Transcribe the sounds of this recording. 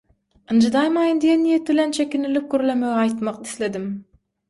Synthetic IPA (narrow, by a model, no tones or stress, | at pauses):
ɯnd͡ʒɨd̪ɑjmɑjɯnd̪ijenːijet̪̚bɪlɛnt͡ʃʰekʲinilip̚kʲøɾlemøɡɑjt̪mɑq̪i̥θled̪ɪm